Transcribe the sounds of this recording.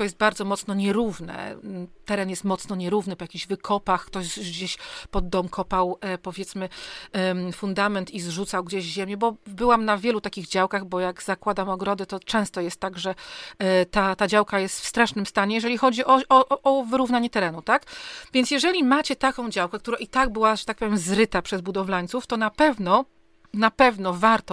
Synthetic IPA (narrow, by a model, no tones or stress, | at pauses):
ɔjɛst̪baɾd̪zɔmɔt̪snɔɲɛɾuvnɛ̰t̪ɛɾɛnjɛst̪mɔt̪snɔɲɛɾuvnɘpɔjakʲiʑvɘkʰɔpaxkt̪ɔɕɡd͡ʑeɕpɔd̪ːɔmkʰɔpawpɔvʲjɛt̪smɘ | fund̪amɛnt̪izʐut̪sawɡd͡ʑeʑʑɛmʲjɛbɔbɘwamnavʲjɛlut̪akʲiɣd͡ʑawkaɣbɔjaɡzakwad̪amɔɡɾɔd̪ɛt̪ɔt͡ʂɛ̃w̃st̪ɔjɛst̪ːaɡʐɛ | t̪at̪ad͡ʑawkajɛst̪fst̪ɾaʂnɘmst̪aɲɛjɛʐɛlʲixɔd͡ʑiʔɔɔʔʔːvɘɾuvnaɲɛt̪ɛɾɛnut̪akvʲjɛntsjɛʐɛlʲimat͡ɕɛt̪akɔ̃w̃d͡ʑawkɛk̚t̪uɾaʔit̪aɡ̚bɘwaʐɛt̪ak̚pɔvjɛmzɾɘt̪apʂɛzbud̪ɔvlaɲʲt̪suft̪ɔnapɛvnɔ | napɛvnɔvaɾt̪ɔ